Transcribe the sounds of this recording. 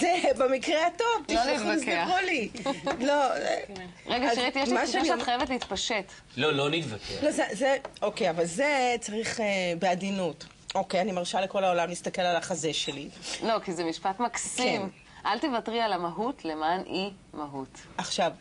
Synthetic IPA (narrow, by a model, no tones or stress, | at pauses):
zebemikʁeato̞vtiloiusaʁoliloḛ | ʁeɡaʃeit̪ijeʃlmaʃaatχajevet̬leit̪paʃet | lolonit̪vakelo̞zezeo̞kejavalzet͡saʁiχebeadinut | o̞kejanimaʁʃaleko̞laolamlist̪ake̞lalaχaze̞ʃe̞lilo̞kizemiʃpatmaksim | ʔalt̪evatʁialamaɦutʰlemani | maɦutaχʃav